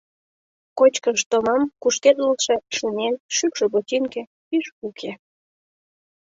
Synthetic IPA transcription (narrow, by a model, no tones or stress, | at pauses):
kot͡ɕkəʃt̪omɑmkuʃk̪erləlʃe̽ʃunenʃykʃobot̪ʲinkĕ | piʃukʰe